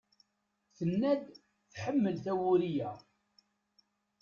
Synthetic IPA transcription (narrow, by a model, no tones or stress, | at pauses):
θənːæd̪ | θħəmːəlθæwʊɾijæ